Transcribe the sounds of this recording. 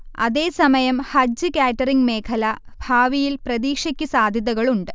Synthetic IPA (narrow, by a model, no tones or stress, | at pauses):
ɐ̰ðe̞ːsɐmɐjɐmhɐd͡ʑɨkaːtːɐriŋɡme̞ːkʰɐlɐbʱaːʋijilprɐðiːkʂɐkʲːusaːd̪ʱjɐðɐɣɐɭuɳɖɨ